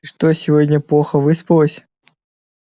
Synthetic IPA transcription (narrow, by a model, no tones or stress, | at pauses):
ʂt̪osʲɪvodʲnʲəplˠoxəvɨspɨlˠəsʲ